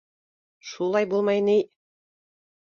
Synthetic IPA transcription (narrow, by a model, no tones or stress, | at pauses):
ʃulˠɑjbulˠmɑjnij